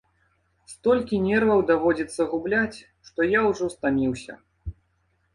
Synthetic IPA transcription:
st̪ɔlʲkʲinʲɛrvɐwd̪avɔd͡zʲit̪sːɐɣublʲat͡sʲ | ʂt̪ɔjawʐɔst̪amʲiwsʲɐ̰

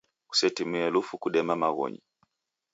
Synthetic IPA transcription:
ku̥sɛtimɛɛlufukuɗɛmamaɣɔ̰ɲḭ

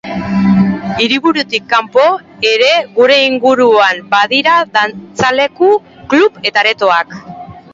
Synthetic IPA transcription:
iɾiβuɾut̪ikːampo̞e̞ɾe̞ɣuɾe̞iŋɡuɾuambaðiɾaðant͡sale̞ku | klupe̞t̪aɾe̞t̪o̞ak

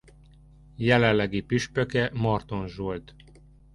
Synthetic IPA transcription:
jɛlɛlːɛɡipyʃpøkɛmɒrt̪o̞nʒult̪

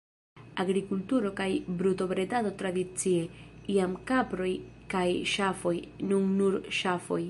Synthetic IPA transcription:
aɣɾikult̪uɾokajbɾut̪oβɾed̪aðot̪ɾaðit͡sieiamkapɾojkajʃafojnũŋnuɾʃafoj

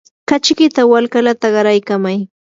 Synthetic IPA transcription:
kat͡ʃkɪt̪awalkalat̪aɢɑɾajkamaj

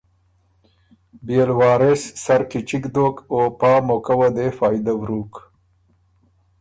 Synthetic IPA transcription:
bjelwɑːɾessaɾkit͡ʃikd̪okopɑːmokawad̪efɑːjd̪awɾuk

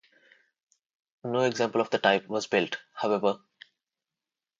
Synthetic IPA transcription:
noːeɡzæ̃ːmpəl̩ɔʋd̪əʈaɪpʋɔzbɪlʈhaʊɛʋə

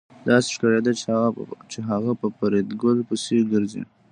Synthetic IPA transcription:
d̪ɑse̥ʃkaɾed̪a | t͡ʃeɦaɣapəpaɾed̪ɡəlpəseɡəɾzḭ

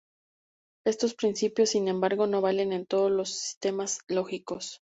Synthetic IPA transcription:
e̞st̪o̞spɾinsipjo̞sːinẽ̞mbaɾɣo̞no̞β̞ale̞ne̞nt̪o̞ðozlo̞si̥st̪e̞mazlo̞xikos

